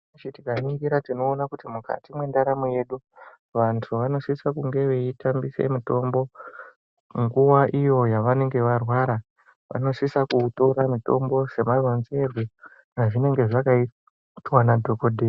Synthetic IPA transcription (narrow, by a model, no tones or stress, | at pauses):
t͡ʃitikamikiɾatino̞ːnakutimuka̰timwe̞ndaɾamuje̞ɗu | ʋantʰuʋano̞ʂisakuŋɡe̞ʋe̞itambise̞̰mito̞mbo̞ | ŋɡuwaʔijo̞jaʋane̞ŋɡe̞ʋarwaɾa | ʋa̰no̞ʂisakuto̞ɾamito̞̰mbo̞se̞marwanze̞ru | naʐine̞ŋɡe̞ʐakai | twanadʱo̞ko̞dʱe